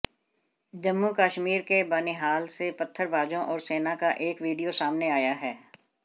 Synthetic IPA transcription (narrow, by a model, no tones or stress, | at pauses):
d͡ʒɐmːukaːʃmiːɾkebaːneɦaːlsepɐt̪ʰːəɾbʱaːd͡ʒõʔɔːɾseːnakaʔeːkʋiːɖijosaːmneaːjaɦɛː